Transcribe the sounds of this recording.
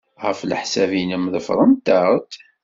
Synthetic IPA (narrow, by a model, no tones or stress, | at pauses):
ʁəflə̰ħsævinəməðəfɾˤənt̪əɾˤt̪